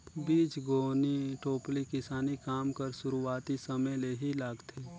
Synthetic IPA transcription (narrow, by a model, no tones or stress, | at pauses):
biːt͡ʃɡoːniʈoːplikɪsaːnikaːmkəɾʃʊɾuaːt̪isɐməjleɦilaːɡt̪ʰeː